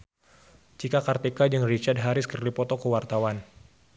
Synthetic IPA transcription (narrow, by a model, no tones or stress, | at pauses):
d͡ʒikakart̪ɛkad͡ʒɨŋrit͡ʃad̚ɦaɾɪskərdipɔt̪ɔkəwart̪awan